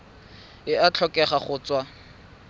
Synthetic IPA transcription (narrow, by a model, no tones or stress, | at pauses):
ɪat͡ɬʰɔkʼɛχaχʊːt͡swa